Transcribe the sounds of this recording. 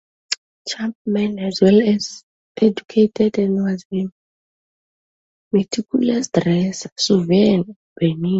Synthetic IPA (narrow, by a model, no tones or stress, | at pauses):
t͡ʃʰãmpmɛ̃nɛzwɛlɛz | ed͡ʒukʰetʰɛdɛ̃nwazbin | mɛtʰikʰulasdrɛssuvɛn | bɛnin